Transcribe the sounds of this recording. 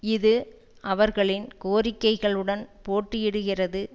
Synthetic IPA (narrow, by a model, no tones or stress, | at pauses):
ɪðɯ | ʔɐʋɐɾɣɐɭɪnkoːɾɪkːɐɪɣɐɭɯɽɐnpoːʈːɯjɪɽɯɣɪrɐðɯ